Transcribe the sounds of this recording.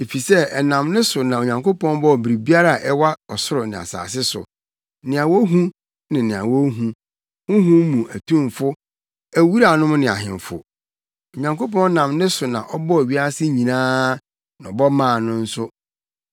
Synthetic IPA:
e˨fi˨sɛ˦ɛ˨nã˨mnɪ̃˦sʊ˨nã˨o˨ɲã˨ŋko˦pɔ̃˦nbɔ˦˨bɾi˨bi˦a˦ɾa˦˨ʔɛ˦wa˦ɔ˨sʊ˦ɾʊ˨nɪ̃˨a̰˨sa̰ː˨sɪ˦sʊ̰˨ | nɪ̃˨a˨wɔ˦ɦũ˦ | nɪ̃˨nɪ̃˨a̰˨wɔ˦ɦũ˦ | hʊ̃˦ɦũ˦m˦mũ˨ʔæ˨tʰũ˦˨mfʊ˦ | æ˦wu˦ɾa˨nʊ̃˦m˦nɪ̃˨a̰˨ɦɪ̰̃˨ɱ˨fʊ̰˨ | o˨ɲã˨ŋko˦p̬ɔ̃˦n˦nã˨mnɪ̃˦sʊ˨nã̰˨ʔɔ˦bɔ˦˨ɥi˦a˦a˦sɪ˦ɲĩ˨nãː˦ | ñ˨ɔ˨bɔ˦mãː˦˨nʊ̃˦n̩˦sʊ˦

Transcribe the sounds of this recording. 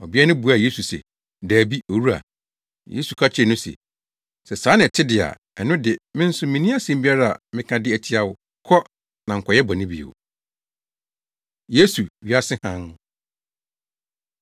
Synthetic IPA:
ɔ˨bɪ˦ɛ˦nʊ̃˦bu˨˦a˨je˦su˨sɛ̰˨ | daː˨bi˦o˨wu˦ɾa̰˨ | jḛ˦su˨kʰa˦t͡ɕʰnʊ̃˦sɛ̰˨ | sɛ˨sãː˨˦nɪ̃˨tʰɪ˦dɪ˨a̰˨ | ɛ˨nʊ̃˦dɪ˨mɪ̃˦n̩˦sʊ˦mĩ˨nĩ˦a˦sĩ˦m˦bi˦a˦ɾa˦a̰˨mɪ̃˦kʰã˨dɪ˦æ˨tʰi˦a˦wʊ˨ | kʰɔ˦ | nã˨ŋ̩˨kʰɔ˨jɛ˦bɔ˨nɪ̃˦bi˨ḛ˨w | je˦su˨ɥi˨a˦sɪ˦hã˦n˦

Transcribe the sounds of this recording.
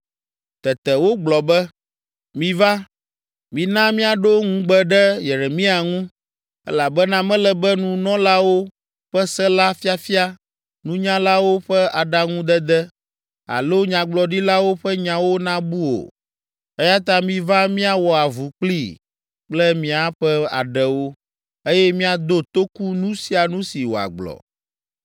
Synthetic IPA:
t̪ɛ˨t̪ɛ˨wo˦ɡ͡blɔ˨bɛ˦ | mĩ˨va˦ | mĩ˨nã˦mĩ˦a˨ɖo˦ŋũ˦ɡ͡bɛ˦ɖɛ˦jɛ˨ɾɛ˨mĩ˦a˨ŋũ˦ | ɛ̰˦la˨bɛ˦nã˦mɛ̃˦lɛ˨bɛ˦nũ˨nɔ̃˦la˦wo˦ | ɸɛ˦sɛ˦la˦fi˦a˦fi˦a˦ | nũ˦ɲã˦la˦wo˦ɸɛ˦a˨ɖa˦ŋũ˦d̪ɛ˦d̪ɛ˦ | a̰˨lo˦ɲã˨ɡ͡blɔ˨ɖi˦la˦wo˦ɸɛ˦ɲã˨wo˦nã˦bu˦wo̰˨ | ɛ˦ja˦t̪ã˦mĩ˦vã˦mĩ˦a˨wɔ˨a˨vu˨k͡pli˦ | k͡plɛ˦mĩ˦a˨ɸɛ˦a̰˨ɖɛ˨wo˦ | e˦jɛ˦mĩ˦a˨d̪o˦t̪o˦ku˦nũ˦si˦a˨nũ˦si˨wo̰˨a̰˨ɡ͡blɔ̰˨

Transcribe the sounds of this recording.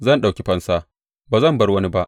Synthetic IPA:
zɐ˦˨nɗa˨wkʲe˦ɸɐ˦nsa˦ | baː˨zɐ˦˨mbɐ˦rwɐ˦ni˦ba˦ʔ

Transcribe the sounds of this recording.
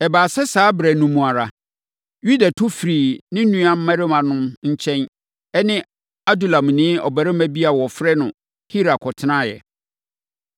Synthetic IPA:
ɛ˨baː˨sɛ˦saː˨˦bɾɛ˨nũ˨mũ˨a˨ɾa˨ | ju˦da˨tʰʊ˦fɾiː˨nɪ̃˦nũ˦ã˨m̩˦mã˦ɾɪ˦mã˨nʊ̃˦mɲ̩˦t͡ɕʰɛ̃˦n | ɛ˦nɪ̃˦ | a˦du˨lã˨m̃˨nɪ̃ː˦ɔ̰˨bæ˨ɾɪ˦mæ̃˦bi˦a˨wɔ˨fɾɛ˦nʊ̃˨ | hi˦ɾa˨kʰɔ˨tʰɪ˦nã˦jɛ̰˨

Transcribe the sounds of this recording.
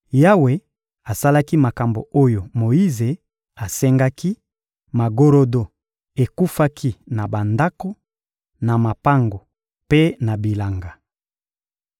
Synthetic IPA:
ja˦we˦ | a˨sa˦la˦ki˦ma˨ka˨mbo̰˨o˦jo˨mo˨ji˦ze˨ | a˨sɛ˦ŋɡa˦ki˦ | ma˨ɡo˦ɾo˦do˨ | e˨ku˦fa˦kʰi˦na˨ba˨nda˦ko˦ | na˨ma˨pa˦ŋɡo˨ | pe˦na˨bi˨la˨ŋɡa˨

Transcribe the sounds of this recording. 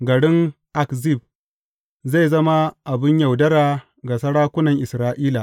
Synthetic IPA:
ɡɐ˨ɽɪ˦ŋʔa˨kzi˦˨b̚ | za˦˨zɐ˦ma˦ʔa˨bɪ˦ɲjɐ˨wdɐ˦ɾaː˨ | ɡa˨sɐ˦ɽaː˦kʷʊ˦nɐ˨ŋʔɪ˨sɾaː˦ʔiː˦la˨ʔ

